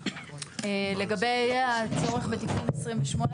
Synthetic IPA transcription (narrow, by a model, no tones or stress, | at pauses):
le̞ɡabe̞jjat͡so̞ʁeχbet̪ikunesʁimveʃmo̞n